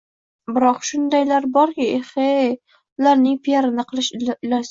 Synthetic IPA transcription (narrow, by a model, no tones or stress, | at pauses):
bɪɾɒqʃʊnd̪ajlaɾbɒɾkʲaeχe | ʊlaɾnɪŋpʰijaɾɪnɪqʰɨlˠɪʃlas